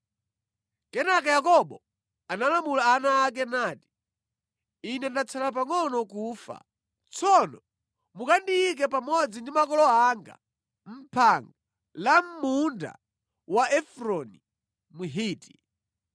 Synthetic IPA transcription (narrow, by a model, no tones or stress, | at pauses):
kɛnak̬ajakɔɓɔ | analamulaːnaːk̬ɛnaːti̥ | inɛndat͡sʰalap̬aŋɔnɔkuːfa̰ | t͡sʰɔnɔ | mukandiik̬ɛpamɔd͡zindimakɔlɔaŋɡa̰ | m̩pʰaŋɡa | lam̩munda̰ | waʔɛfɾɔni | muɦiːti̥